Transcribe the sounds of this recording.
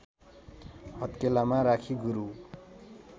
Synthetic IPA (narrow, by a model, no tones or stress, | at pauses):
hʌt̪kelamaɾakʰiɡuɾu